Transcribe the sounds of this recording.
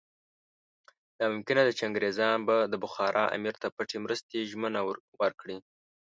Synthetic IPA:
d̪ɑmʊmkɪnad̪ət͡ʃaŋɡɾezɑnbad̪əbʊxɑɾʔɑʔa̰miɾt̪apəʈemɾəst̪eʒmənawəɾkɽi

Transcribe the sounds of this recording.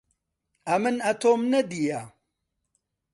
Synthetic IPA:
ɐmɨnɐt̪ʰoːmnɐd̪ija

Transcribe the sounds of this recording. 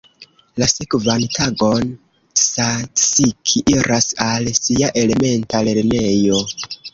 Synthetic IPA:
lase̞kvantʰaɡo̞n | sat͡sikʰiʔiɾʔasalsiaʔe̞le̞me̞ntale̞ɾne̞jo̞

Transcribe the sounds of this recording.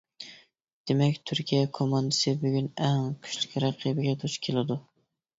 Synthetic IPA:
d̪̥emɛkʲt̪ʰyɾkʲʰijɛkʰomɑnd̪ɨsɨbyɡʲynæŋkʲʰy̥ʃlykʲɾɑqʰibɪɡʲɛt̪ʰʊt͡ʃkʲʰelˠɪd̪ʊ

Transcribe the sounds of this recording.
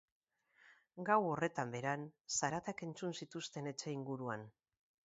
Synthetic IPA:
ɡawo̞re̞t̪ambe̞ɾansaɾat̪ake̞nt͡sunsit̪ust̪e̞ne̞t͡ʃe̞iŋɡuɾuan

